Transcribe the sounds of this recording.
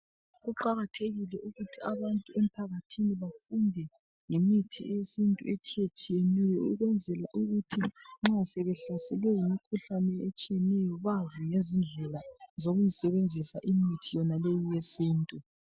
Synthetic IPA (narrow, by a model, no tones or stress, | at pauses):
ɣuǃaɣatʰeɣilɛʔuɣutʰiaβantʼuem̩pʰaɣatʰiniβafundʱɛ | ŋemitʰiɛesintʼṵɛt͡ʃʰʼiet͡ʃʰʼijenɛjɔuɣwɛnd͡zʱɛlaʔuɣutʰiŋ͡ǁasɛβɛɬasɛlwɛjimikʰuɬanɛɛt͡ʃʼijɛnɛjɔβazijezind͡ɮʱɛlazoɣujisɛβend͡zʱisaʔimitʰijɔnalejijesiːntʼu